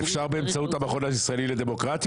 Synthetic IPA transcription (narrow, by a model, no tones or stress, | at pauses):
fʃaʁbeːmt͡saut̪hamaχo̞naisʁaeliled̪e̞mo̞kʁat̪